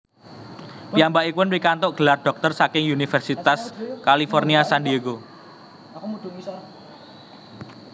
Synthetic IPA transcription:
piambaʔikʊnpikant̪ʊʔɡ̥əlarɖ̥ɔ̤k̚t̪ərsakɪŋunifɛrsit̪askalifɔrniasandieɡo | d

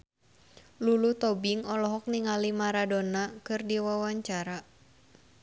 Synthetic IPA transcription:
lulut̪ɔbiŋɔlɔɦɔk̚niŋalimaɾadonakɨrdiwawaɲt͡ʃaɾa

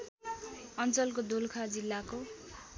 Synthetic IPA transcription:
ʌnt͡sʌlkod̪olkʰad͡zilːako

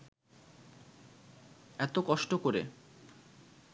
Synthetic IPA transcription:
ɛt̪okɔʃʈokoɾḛ

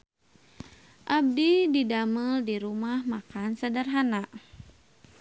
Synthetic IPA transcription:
ʔab̚dididaməldiɾumahmakansadarɦanaʔ

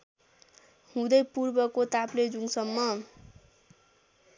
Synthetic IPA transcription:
hũd̪ʌjpurbʌkot̪apled͡zuŋsʌmːʌ

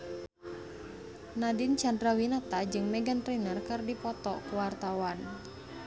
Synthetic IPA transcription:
nadint͡ʃandɾawinat̪ad͡ʒɨŋmɛɡant̪ɾinərkɨrdipɔt̪ɔkuwart̪awan

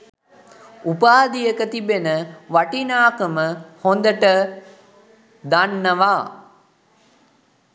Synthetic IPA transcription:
upaːd̪ijəkət̪ibenəʋaʈinaːkəməhond̪əʈə | d̪anːəʋaː

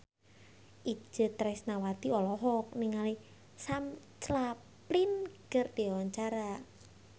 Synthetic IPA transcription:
ʔi̥d͡ʒ̥ət̪ɾɛsnawad̪̥iɔlɔɦɔk̚niŋali | sam | t͡ʃla | plinkərd̪̥iawaɲt͡ʃaɾa

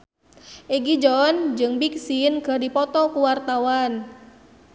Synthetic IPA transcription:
ʔiɡid͡ʒɔnd͡ʒɨŋbik̚sinɡədipɔt̪ɔkuwart̪awan

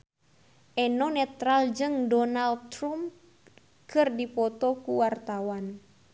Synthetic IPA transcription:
ʔɛnɔnɛt̪ɾald͡ʒɨŋdɔnald̪t̪ɾum | kɨrdipɔt̪ɔkuwart̪awan

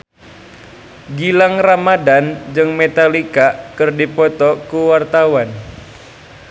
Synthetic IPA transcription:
ɡilaŋramadand͡ʒɨŋmet̪alikakɨrdipɔt̪ɔkuwart̪awan

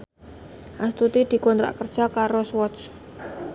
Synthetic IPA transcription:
ʔast̪ut̪id̪̥i̤kɔnt̪ɾa̰ʔkərd̥ʒ̥a̤kaɾoswɔs

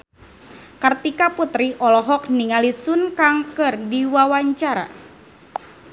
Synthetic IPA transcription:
kərt̪ikaput̪ɾiʔɔlɔɦɔk̚niŋalisunkaŋkɨrdiwawaɲt͡ʃaɾa̰

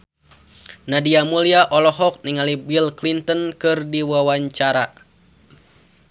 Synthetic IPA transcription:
nadiamuliaʔɔlɔɦɔk̚niŋalibilklint̪ənkɨrdiwawaɲt͡ʃaɾa

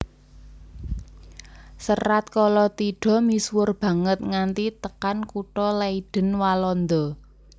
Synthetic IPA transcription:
səɾat̪̚kɔlɔt̪iɖ̥ɔ̤miswʊrb̥ä̤ŋət̪̚ŋant̪it̪əkankuʈɔlaiɖ̥ə̤nwalɔnd̪ɔ

